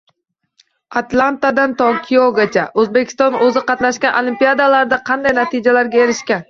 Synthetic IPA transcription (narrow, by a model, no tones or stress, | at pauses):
at̪lˠant̪ad̪ant̪okʲʰijoɡʲat͡ʃʰaʔɵzbekʲʰɪ̥st̪ɒnɵzɪqɑt̪naʃkʲanʔolˠimpijad̪alaɾd̪aqʰɑnd̪ajnat̪ʰɪd͡ʒalaɾɡʲaeɾɪʃkʲan